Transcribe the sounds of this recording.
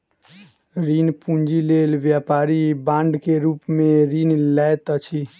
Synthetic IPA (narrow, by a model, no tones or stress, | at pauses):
ɾinpũnd͡ʒilelʋjapaːɾibãːɳɖkeɾuːpmẽɾinlɛt̪ət͡ʃʰi